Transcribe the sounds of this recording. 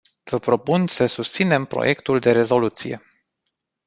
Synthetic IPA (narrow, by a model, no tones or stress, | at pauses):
v̥əpɾo̞punsəsust̪sine̞mpɾo̰jʔe̞kt̪uld̪e̞ɾe̞zo̞lut̪sije̞̰